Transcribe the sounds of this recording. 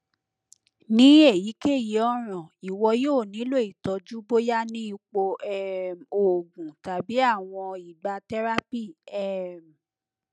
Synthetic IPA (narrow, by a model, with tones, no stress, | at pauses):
nĩ˨˦e˦˨ji˨˦ke˦˨ji˨˦ɔ˦ɾ̃ã˨i˨wɔ˧joː˦˨nĩ˨˦lo˦i˨tɔ˧˦d͡ʒu˦bo˦ja˦nĩ˦i˧k͡po˧ɛ˦˨mo˨ɡũ˨ta˨bi˨˦a˦˨w̃ɔ̃˧i˨ba˧tɛ˦ɾa˦pi˦˨ɛ˦˨m˨